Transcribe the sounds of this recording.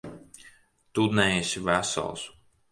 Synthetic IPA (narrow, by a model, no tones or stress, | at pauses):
t̪ud̪nɛɛsʲivæsa̰lˠs